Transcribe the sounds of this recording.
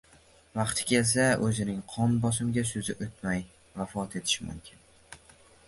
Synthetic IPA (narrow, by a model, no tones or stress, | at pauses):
vɑqt̪ʰɪ̥kʲʰe̞ls̬aɵzɪnɪŋqʰɒnbɒsɪmɡʲasɵzɪʔot̪maj | vafɒt̪ʰe̞t̪ʰɪ̥ʃɪmʊ̰mkʲʰɪn